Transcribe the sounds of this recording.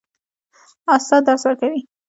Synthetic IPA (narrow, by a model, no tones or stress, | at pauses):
ɑst̪ɑd̪ɑɾswəɾkawi